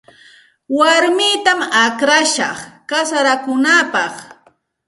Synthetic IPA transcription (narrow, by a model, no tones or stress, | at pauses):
waɾmɪt̪amakɾaʃɑ̰χkasaɾakʊnapɑχ